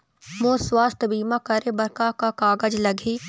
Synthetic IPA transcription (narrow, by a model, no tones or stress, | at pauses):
mõːswaːst̪ʰbiːmãkɐɾebɐɾkakakaːɡəd͡ʒlɐɡʱiː